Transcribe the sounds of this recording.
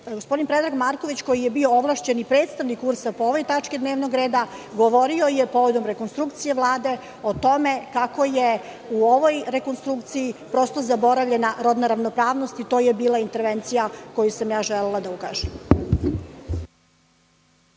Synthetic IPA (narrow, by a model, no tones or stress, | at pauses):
ɡospo̞d̪inpɾed̪ɾaɡmaɾko̞ʋit͡ɕko̞jijebiooʋlˠaʃt͡ɕe̞nipɾeːt̪st̪aʋnikuɾsapo̞oʋo̞jt̪at͡ʂkid̪neːʋno̞ɡɾeːd̪aɡoʋo̞ɾio̞jepoʋod̪o̞mɾe̞ko̞nst̪ɾukt̪sije̞ʋlˠaːd̪e̞ | o̞t̪o̞me̞kako̞je | uo̞ʋojɾe̞ko̞nst̪ɾukt̪sijipɾo̞st̪o̞zabo̞ɾaʋʎe̞naɾo̞d̪naɾaʋnopɾaːʋno̞st̪it̪o̞ːjebiːlˠaint̪e̞ɾʋent̪sijako̞jusamjaːʒelelˠad̪auka̰ːʒɛm